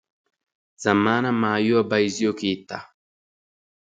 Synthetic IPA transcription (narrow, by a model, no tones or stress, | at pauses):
z̥ɐmːaːnɐmaːjʊɐbɐjzɪjɔkiːt̪ːa